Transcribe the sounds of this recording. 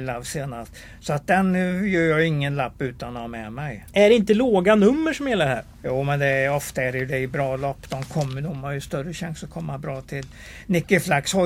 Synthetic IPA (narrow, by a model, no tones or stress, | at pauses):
lavseːnast̪ | sɔat̪̚d̪ɛnjœːɾjɑːɪŋːənlapːʉ̟ːt̪anɔhamɛmɛjæɖɛɪnt̪əloːɡanɵmːəʂɔmjɛlːaɾɦæ̰ːɾjuːmɛnd̪ɛɔft̪aæɾjɵd̪ɛɪbɾɑːlɔpːd̪ɔmkʰɔmːənʊmajɵst̪œrːəɕaŋsɔkʰɔmːabɾɑːt̪ʰɪl | nɪkːəflakshɔ